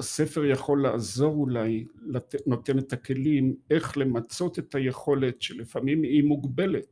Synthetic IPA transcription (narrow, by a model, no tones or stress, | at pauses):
ase̞fe̞ʁjaχo̞lːaːzo̞ʁulajlano̞t̪enet̪ake̞lime̞χle̞mat͡so̞t̪et̪aje̞χo̞le̞tʃelefamimimuɡbe̞let̪